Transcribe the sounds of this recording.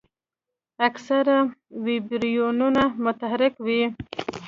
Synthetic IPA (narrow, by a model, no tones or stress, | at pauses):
aksaɾawibɾijonunamʊt̪aɦaɾɪkwi